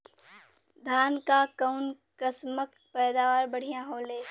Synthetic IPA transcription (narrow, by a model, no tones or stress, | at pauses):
d̪ʱaːnkakəʊn | kəsməkpɛːd̪aːʋaːɾbɐɽ̤ijãɦoːleː